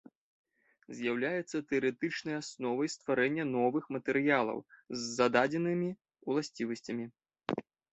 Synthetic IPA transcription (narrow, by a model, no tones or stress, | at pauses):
zʲjawlʲajɛt̪sːɐt̪ɛɐɾɛt̪ɨt͡ʂnɐjasnɔvɐjst̪vaɾɛnʲːɐnɔvɨxmɐt̪ɛɾɨjalˠɐ̰wzːad̪ad͡zʲɛnɨmʲi | ulˠasʲt͡sʲivɐsʲt͡sʲɐmʲi